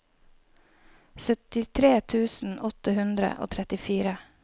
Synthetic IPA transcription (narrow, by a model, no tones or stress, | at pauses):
sœt̪ɪt̪ʰɾeːt̪ʰʉːsn̩ʔɔt̪əhʉnd̪ɾə̰ʔo̰ːt̪ʰɾɛt̪ɪfiːɾə